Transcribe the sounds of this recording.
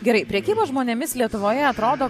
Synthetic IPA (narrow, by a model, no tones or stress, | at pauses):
ɡʲɛɾɐɪpʲɾʲɛkʲiːbɐʒmoːnʲeɛmʲɪslʲiɛt̪ʊʋoːjɛɐt̪ɾoːd̪oː